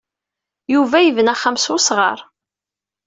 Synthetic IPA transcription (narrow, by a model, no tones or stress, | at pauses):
juvæjəvənæχəmsʊsʁə̰ɾˤ